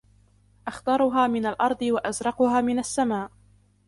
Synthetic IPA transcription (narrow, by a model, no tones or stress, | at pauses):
ʔaxt̪ɑɾˤʊɦaːmɪnalʔɑɾˤd̪ˤɨwaʔazɾˤɑqʊhaːmɪnasːamaːʔ